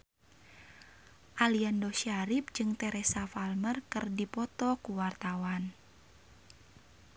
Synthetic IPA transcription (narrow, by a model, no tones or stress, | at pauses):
ʔaliandɔʃaɾip̚d͡ʒɨŋt̪ɛɾɛsafalmərkɨrdipɔt̪ɔkuwart̪awan